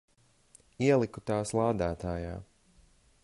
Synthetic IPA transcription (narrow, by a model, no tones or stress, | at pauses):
iɛlˠikut̪aːslˠaːd̪aːt̪aːjaː